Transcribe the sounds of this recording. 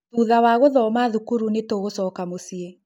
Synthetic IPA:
uːðawaɣoðɔmaðukuɾunetoɣosɔːkamosie

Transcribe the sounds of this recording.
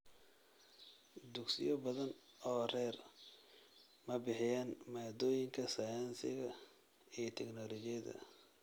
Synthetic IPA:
d̪ʊɡsɪ̰jɔbɐðɐnɔːrɛːr | mɐbɪħɪjaːnmaːd̪ɔːjɪŋkʰɐsɐjɐnsɪ̰ɣɐ | ijt̪ʰɛɡnɔːlɔt͡ʃɪjɐðɐ̰

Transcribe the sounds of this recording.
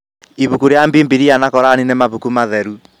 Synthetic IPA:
iβukuɾeambiːmbiɾianakɔɾaninemaβukumaðɛɾu

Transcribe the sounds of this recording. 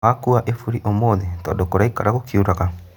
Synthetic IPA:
akuaʔefuɾiʔomoːðetɔ̰ːndokoɾaikaɾaɣokjuɾaɣa

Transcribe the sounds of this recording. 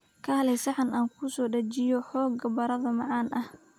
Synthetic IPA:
kʰɐhɐlɛjsɐħɑnaːŋkʰʊsɔːɖɐt͡ʃɪjɔħɔːɡɐbɐɾɐðɐmɑʕɑːnʔɐh

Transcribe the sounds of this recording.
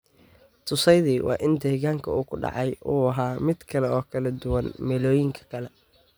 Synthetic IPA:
t̪ʰʊsɛjðiːwʔɑ̰ːʔɪnd̪ɛːɣaːŋkʰɐ̰uːkʰʊɖɑ̰ʕɑjʔuːɐɦaːmɪd̪kʰɐlɛɔːkʰɐlɐd̪ʊwɐnmɛːlɔːjɪŋkʰɐ̥kʰɐlɛ

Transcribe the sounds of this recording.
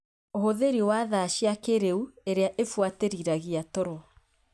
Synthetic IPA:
ohoðeɾiwaðaɕjakeɾeueɾeaʔefwateɾiɾaɣiatɔɾɔ

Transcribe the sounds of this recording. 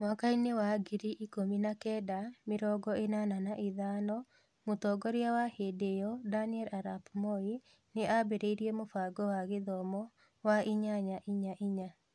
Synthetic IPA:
mwakainewaɡiɾiʔikominakɛdameɾɔɡɔenananaʔiðaːnɔ | motɔɡɔɾeawahedejɔdaniɛlaɾapmɔi | neabeɾeiɾiɛmofaɡɔwaɣeðɔmɔ | waiɲaɲaʔiɲaʔiɲa

